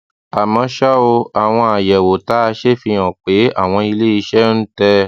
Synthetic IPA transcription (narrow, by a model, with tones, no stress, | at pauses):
a˨mã˧ʃa˦o˧a˨w̃ɔ̃˧a˨jɛ˨wo˨ta˨˦˧ʃe˦fĩ˧ɔ̃˨k͡pe˨˦a̰˦˨w̃ɔ̃˧i˧le˦i˧ʃɛ˦n̩˦tɛ˦